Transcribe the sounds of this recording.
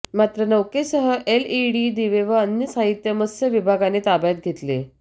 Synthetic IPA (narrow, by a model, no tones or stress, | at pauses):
mat̪ɾənəwkesəɦəʔeliɽid̪iʋeʋəənːjəsaɦit̪jəməsəʋibʱaɡanet̪abjat̪̚ɡʱet̪le